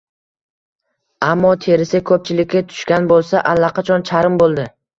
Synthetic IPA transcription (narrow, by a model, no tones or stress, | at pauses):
amːɒt̪ʰe̞ɾɪsɪkʰɵp̚t͡ʃʰɪlɪkʲːat̪ʰʊ̥ʃkʲanbolˠsaʔalːaqʰɑt͡ʃʰɒnt͡ʃʰaɾɪmbolˠd̪ɪ